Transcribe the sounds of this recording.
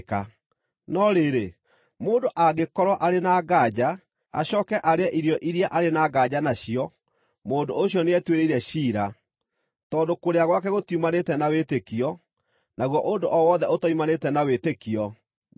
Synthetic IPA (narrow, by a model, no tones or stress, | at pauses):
ka | nɔɾeɾe | moːndoʔaɡekɔɾwaʔaɾenaːɡad͡ʑa | a̰ɕɔːkɛʔaɾeaʔiɾjɔʔiɾijaʔaɾenaːɡad͡ʑanaɕiɔ | moːndooɕiɔneɛtweɾeiɾɛɕiːɾa | tɔndokoɾeaɣwakɛɣotjumanetɛnawetekiɔ | naɣwɔʔondoʔɔwɔðɛotɔimanetɛnawetekiɔ